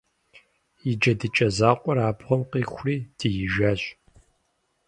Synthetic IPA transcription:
jid͡ʒɐdɨt͡ʃʼɐzaːqʷʼɔɾaːbʰʁʷɔmqiːxʷriːd̥ɨjɪʒaːɕ

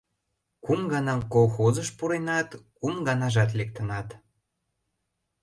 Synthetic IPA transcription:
kumɡɑnɑmkolˠxozəʃpuɾenɑt̪kumɡɑnɑʒɑt̪̬lek̚t̪ə̆nɑt̪

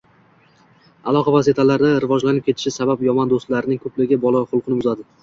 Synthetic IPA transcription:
alˠɒqʰɑvaset̪ʰalaɾd̪aɾɪvɒd͡ʒlanɪp̚kʰʲe̞t̪ʰɪ̥ʃɪsabapjɒmɒnd̪ost̪laɾɪnɪŋkʰɵplɪɡʲɪbɒlˠaχʊlˠqʰɨnɪbʊzad̪ɪ

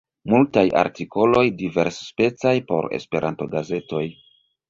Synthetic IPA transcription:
multaja̰ɾtiko̞lo̞jdive̞ɾsspe̞t͡sajpo̞̰ɾe̞̰spe̞ɾʔanto̞ɡaze̞to̞j

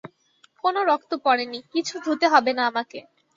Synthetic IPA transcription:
konoɾɔkt̪opɔɽenikit͡ɕʰud̪ʱut̪eɦɔbenaamake

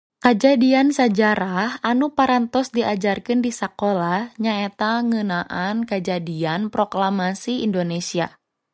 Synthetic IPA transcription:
kəd͡ʒadiansad͡ʒaɾahanupaɾant̪ɔsdiʔad͡ʒarkɪndisakolahɲaet̪aŋənaʔankəd͡ʒadianpɾoklamasiḭndonesia̰

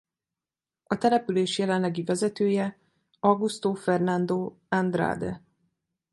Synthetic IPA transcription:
ɒt̪ɛlɛpyleːʃjɛlɛnlɛɡivɛzɛt̪øːjɛ | ɒɡust̪oːfɛrnand̪oː | and̪ɾa̰ːd̪ɛ̰

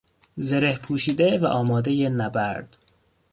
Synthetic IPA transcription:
zeɾehpʰuːʃiːd̪evæʔɒːmɒːd̪ejenæbæɾd̪̥

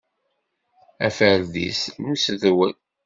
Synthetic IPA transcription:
æfəɾðḭsnəsðwən

